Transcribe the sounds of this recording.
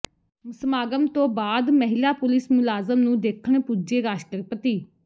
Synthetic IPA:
mʊsmaːɡəmt̪õːbaːd̪məɦɪlaːpʊlɪsmʊlaːzəmnũːd̪eːkʰəɳpuːd͡ʒeːɡaːʃʈəɾpət̪iː

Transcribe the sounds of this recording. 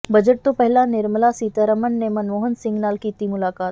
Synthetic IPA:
bɐd͡ʒəʈ̚t̪opɛɦlanɪɾmlasiːt̪aɾəmənːemɐnʋoːɦənsɪ̃ŋɡnaːlkiːt̪imʊlaːkaːt̪

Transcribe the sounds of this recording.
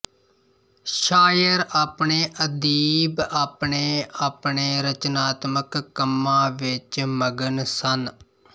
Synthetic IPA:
ʃaːjəɾaːpɳeːʔəd̪iːbaːpɳeːaːpɳeːɾət͡ʃnaːt̪məkːəmːãːʋɪt͡ʃməɡənsən

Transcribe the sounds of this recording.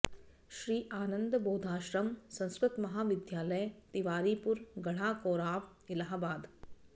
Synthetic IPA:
ʃɾiːʔaːnə̃nd̪boːd̪ʱaːʃɾɐmsɐ̃ñskɾɪt̪mɐɦaːʋɪd̪jaːlɐjt̪iʋaːɾiːpʊɾɡɐɽ̤aːkoːɾaːʋ | ɪlaːɦbaːd̪

